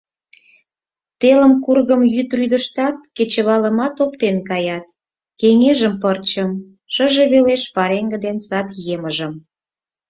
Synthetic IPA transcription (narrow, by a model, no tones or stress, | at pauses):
t̪elə̆mkurɣəmjyt̪ryd̪əʃt̪ɑt̪̚ket͡ɕə̆βɑlə̆mɑt̪opt̪enkɑjɑt̪ | keŋeʒəmpərt͡ɕəm | ʃə̆ʒeβeleʃpɑɾeŋɡə̆d̪ensɑt̪jeməʒə̆m